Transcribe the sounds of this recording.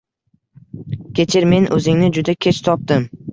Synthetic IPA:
kʲe̞t͡ʃʰɪɾme̞nʔɵzɪŋnɪd͡ʒʊd̪akʲʰet͡ʃt̪ʰɒp̚d̪ɪm

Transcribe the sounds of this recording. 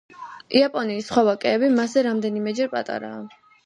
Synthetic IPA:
iapʼɔniːsχɔvakʼɛːbimasɛɾamd̪ɛnimɛd͡ʒɛɾpʼa̰t̪ʼa̰ɾa̰ː

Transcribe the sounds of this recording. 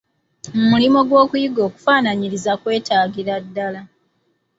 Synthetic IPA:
mumulimo̞ɡwo̞ːkujiɡo̞ːku̥faːnaɲiɾizakwe̞ːtaːɟiɾadːala

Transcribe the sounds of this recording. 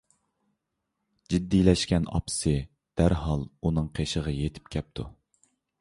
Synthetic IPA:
d͡ʒid̪ːilɛʃkʲɛnɑ̰psɨ | d̪̥æɾɦɑlˠunɨŋqʰeʃəʁɑjet̪ʰɪ̥pkʲʰɛp̚t̪ʰu

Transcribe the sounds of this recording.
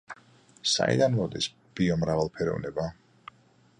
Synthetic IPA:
sa̰ḭd̪anmɔd̪is | b̥iɔmɾavalˠpʰɛɾɔ̰vnɛba

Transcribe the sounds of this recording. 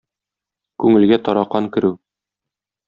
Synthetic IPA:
kʉŋɘ̆lɡæt̪ɒɾɑqːɑŋkɘ̆ɾʉ

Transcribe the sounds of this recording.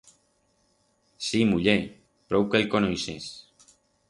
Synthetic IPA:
simuʎe | pɾɔwkelkonojses

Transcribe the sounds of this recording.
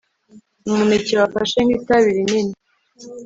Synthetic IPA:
muneciβafa̰ʃeŋɡitaβiɾinini

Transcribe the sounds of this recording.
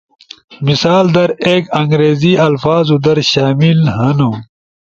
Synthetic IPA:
misaːld̪ɐɾeːkɐŋɡɾeːziɐlfaːzud̪ɐɾɕaːmilhɐnu

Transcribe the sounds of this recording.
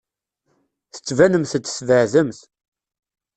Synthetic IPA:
θə̥t͡sːvænəmθt͡s̪ːsvəʕðəmθ

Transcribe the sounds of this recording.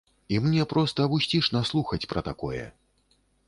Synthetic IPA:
imnʲɛpɾɔst̪ɐːbusʲt͡sʲiʂnaslˠuxɐt͡sʲpɾɐt̪akɔ̰jɛ̰

